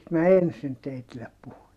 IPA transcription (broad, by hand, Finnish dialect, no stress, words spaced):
mæ ensin teitilːep puhun